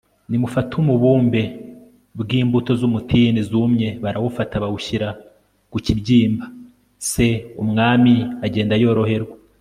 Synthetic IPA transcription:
nimufatʰumuβuːmbe̞ | bɡiːmbuto̞zumutʰinizumɲe̞βaɾawufataβawuʃiɾa | ɡ̥ucibɟiːmba | se̞umŋaːmiaɟe̞ːndajo̞ːɾo̞he̞ɾɡwa

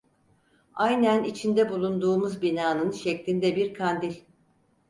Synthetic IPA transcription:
ajnænit͡ʃʰind̪ɛbulˠund̪uːmuzbinaːnɯnʃɛclʲind̪ɛbiɾkʰand̪ilʲ

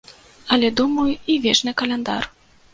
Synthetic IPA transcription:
ɐlʲɛd̪umɐjuivʲɛt͡ʂnɨkɐlʲɛnd̪a̰r

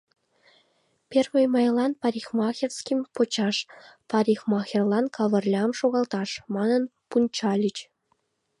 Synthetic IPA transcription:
pʲerʲmʲejmɑjlˠɑnpɑɾʲixmɑxʲerskʲimʲpŏt͡ɕɑʂpɑɾʲixmɑxʲirlˠɑnkɑʋɤ̆rʲlʲɑmʂoɣɑlˠt̪ɑʂmɑnɤ̆npunt͡ɕɑlʲit͡ɕ

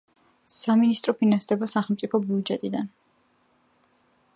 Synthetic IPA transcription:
saminist̪ʼɾɔpʰinansd̪ɛbasaχɛlˠmt̪sʼipʰɔbiud͡ʒɛt̪ʼid̪an

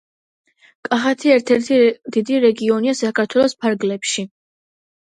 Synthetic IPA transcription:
kʼaχat̪ʰiɛɾt̪ʰɛɾt̪ʰid̪̥id̪iɾɛɡiɔniasakʰaɾt̪ʰwɛlˠɔspʰaɾɡlɛpʃi

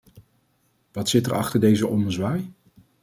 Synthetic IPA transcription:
ʋɑtsɪtɛɹʔɑ̰χtəɹdejzəʔɔməzʋaːj

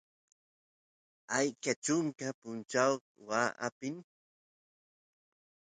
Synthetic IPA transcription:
ajkat͡ʃʊŋkapʊnt͡ʃaw | waːʔapɪn

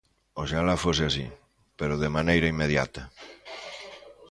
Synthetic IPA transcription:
oʃalafoseasḭ | peɾoðemanejɾɐimːeðja̰t̪ɐ

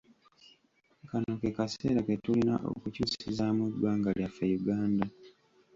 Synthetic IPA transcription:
kanokekase̞̰ːɾaketulina̰ʔo̰kucuːsizamwudwaːŋɡaljafejuɡaːnda

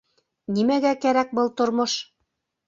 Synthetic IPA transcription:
nimæɡækæɾæk̚bɤlˠt̪ŏɾmoʃ

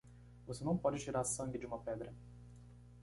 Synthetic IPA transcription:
vosenɐ̃w̃pɔd͡ʒɪt͡ʃiɾaɾsɐ̃ŋɡɪd͡ʒɪũmɐpɛd̪ɾɐ

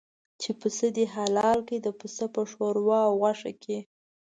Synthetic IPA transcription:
t͡ʃepəsəd̪eɦalɑlked̪əpəsəpəʂoɾwɑwɣaʂa̰kʰe

